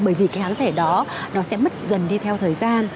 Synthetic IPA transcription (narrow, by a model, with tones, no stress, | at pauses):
ɓəː˧˩jvi˨˩kaː˨˦jhaː˨˦ŋt̪ʰe˧˩ɗɔ˨˦nɔ˨˦sɛ̰˧˥mə˦˥t̚zə˨˩nɗi˧t̪ʰɛ˧wt̪ʰəː˨˩jzaː˧n